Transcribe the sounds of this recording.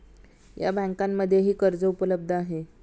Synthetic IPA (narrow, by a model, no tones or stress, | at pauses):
ja̰bə̃ŋkamːəd̪ʱːjeɦiːkəɾd͡zəupələb̚d̪ʱəaɦe